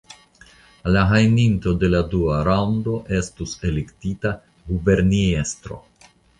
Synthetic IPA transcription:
laɦajninto̞de̞laduaɾawndo̞ʔe̞stuse̞lektita | ɡube̞ɾnie̞st̪ɾo̞̰

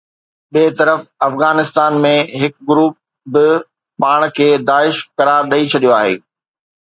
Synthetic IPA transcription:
ɓiːt̪ɐɾəfɐfɣaːnɪst̪aːnmẽɦɪkɡʊɾuːp̚ | bɪ | paːɽ̃kʰeːd̪aːɪʃkɐɾaːɾɗɐit͡ɕʰɐɗijoaːɦḛː

